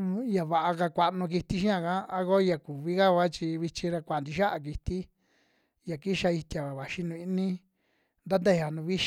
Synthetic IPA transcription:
ja˨βa˨ʔa˧ka˧kʷa˧ʔnũ˧k̬i˧t̪i˧ʃ̬ĩ˦ã˧˨kã˦a˦ko˦˧ja˨ku˨βi˦ɣa˦ɣʷa˦t͡ʃi˧βi˧t͡ʃĩ˧ɾa˧kʷa˨nd̪i˧ʃa˦ʔa˧k̬i˧t̪i˦ | ja˨ki˦ʃa˧i˧t̪ja˨a˨βa˨ʃi˧nũ˧i˧˦nĩ˦ | nd̪a˦nd̪e˦˨a˨nũ˧βi˦ʃ

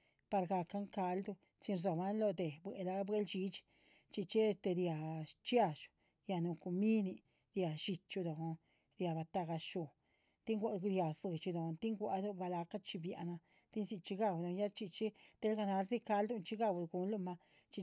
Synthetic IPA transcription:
pa˧ɾɡa˧ka˦ŋka˧˦ld̪u˧ | t͡si˧nɾzo˨ba˦nlo˧d̪e˨bwe˨la˧˦bwe˦lt͡ʃi˧˦t͡ʃ | t͡ʃi˧t͡ʃe˦e˧st̪e˧ɾja˨t͡ʃja˦˧ʃu̥˨ | ja˧nu˨˧ku˧mi˦ni˧ | ɾja˨ʃi˧t͡ʃu˧d̪o˨˧ | ɾja˨ba˧t̪a˧ɡa˧ʃu˨ | t̪i˦ŋɡʷa˧ɾja˨zɨ˨t͡ʃi˧d̪o˨˧t̪i˦ŋɡʷa̰˧d̪u˦ba˧la˧ka˦t͡ʃi˧bja̰˨na˧ | t̪i˦nsi˧t͡ʃi˧ɡa˦˧˨wd̪o˧ja˦t͡ʃi˧t͡ʃi˦t̪e˦lɡa˧na˧ɾzi˦ka˧ld̪u˧nt͡ʃi˧ɡa˧˨wd̪ɡu˧nlu˦˧ma˧ | t͡ʃi˧

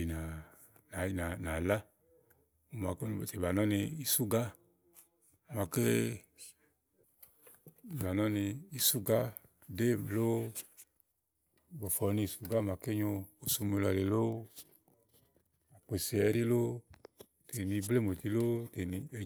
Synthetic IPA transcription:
i˨na˨ | na˨na˨na˨la˦ | o˨ma˨ko˦˨te˨ba˨nɔ˦ni˧i˧su˦ɡa˦ | u˨ma˧ke˦˨ | ba˨nɔ˦ni˧i˧su˦ɡa˦ | de˦˨lo˦˨ | bo˨fɔ˨˦ni˧˨su˨ɡa˦˨ma˨ke˦ɲo˧o˨su˧me˧la˨˧le˧lo˦ | a˨k͡pe˨se˨ɛ˧˦ɾi˦lo˦ | te˨ni˧ble˦˨mo˨ti˧˦lo˦te˨ni˧

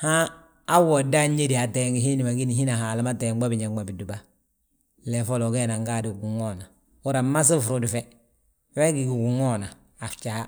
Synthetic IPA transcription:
hã˦ | a˦wo˨da˦ɲe˦di˨a˨te˨ŋɡi˨ɦi˦ni˨ma˨ɡi˦ni˨hi˦na˨ɦa˨la˦ma˦te˨ɡ͡ba˦bi˨ɲa˨ɡ͡ba˨bi˨du˨ba˦ | le˨fo˦lo˨ɡɛ˦na˨ŋɡa˦˨di˨ɡu˨ŋo˦na˨ | u˦ɾa˨ma˦s̬i˦fɾu˦˨di˨fɛ˦ | we˦ɡi˨ɡi˨ɡu˨ŋo˦na˨ | a˨ft͡ʃa˨˦

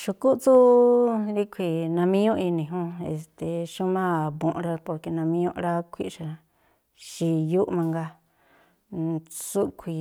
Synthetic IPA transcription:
ʃu˧ku˦t͡su˦ | ɾi˦kʰʷi˧nã˧mĩ˦ɲũ˦i˧nĩ˧˨ɦũ˦e˧st̪e˨ʃũ˦mã˦˨βõ˨ʔɾa˧po˧ɾke˧nã˧mĩ˧ɲũ˧ʔɾa˦kʰʷḭ˦ʔʃa˧ | ʃi˧ju˦ʔmã˧ŋɡa˧ | t͡su˦kʷʰi˨

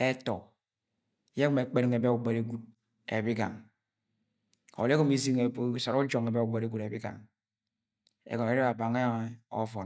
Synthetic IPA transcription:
e˦tɔ˨˦ | je˦kme˨˦k͡pe˦ɾŋ˨e˨be˦u˨ɡ͡be˨ɾe˦ɡu˦˨d̚ | ḛ˨bi˦ɡa̰˨ŋ | o̰˨le˦ko˦mi˦zi˦ŋe˨˦so˨ɾu˦d͡ʒo˨ŋe˨be˦u˨ɡ͡be˨ɾe˦ɡu˨ɾe˨bi˦ɡa̰˨ŋ | ḛ˨ɡo˨ne˨˦ɾe˦ɾa˨ba˨ŋe˦o̰˦fo˨

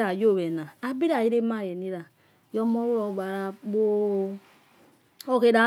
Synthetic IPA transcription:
ɾa˨jo˦˨we˨na˨a˦bi˦ɾa˨ji˦ɾe˦ma˦˨jɛ˨ni˦ɾa˨ | jɔ˦mo˦ɾu˦ɾo˨ɡ͡ba˨ɾa˨bo˦ | o˦ke˦da˨˦

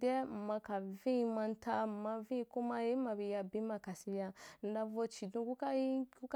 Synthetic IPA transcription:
dɛ˦m̩˨ma˧ka˨vĩ˦i˧mã˧n˦tʰa˧m̩˨ma˧vĩ˦i˧ku˦ma˧je˦ma˧bi˧ja˧bĩ˦ma˧ka˨sĩ˧bi˧a˧n̩˨da˧vo˧t͡ʃi˨dũ˧ku˦kku˦k

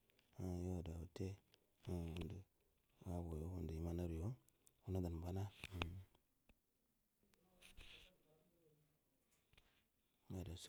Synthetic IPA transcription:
a˨jo˦˨da˨wu˨te˦ | wu˦ndu˨ | wa˦wo˨jo˦wu˦ndi˨ji˦ma˦na˦ɾi˨jo˦ | wu˦na˦da˨n˨ba˦na˦˨ | ma˨da˨s

